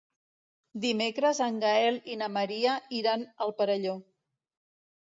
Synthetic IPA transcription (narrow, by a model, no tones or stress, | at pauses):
d̪imekɾəzəŋɡaɛlinəməɾiəiɾanəlˠpəɾəʎo